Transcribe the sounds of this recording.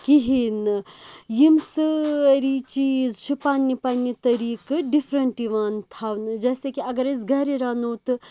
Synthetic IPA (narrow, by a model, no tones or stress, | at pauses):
kiɦinɨjimsɨɾit͡ʃiːzt͡ʃʰipaːnːipɐnːit̪ɐɾiːkɨɖifʰɾɐɳʈiʋaːnt̪ʰaːʋnɨd͡ʒɐːsekiɐɡɐɾes̬ɡʱɐɾiɾaːnoːt̪ɨ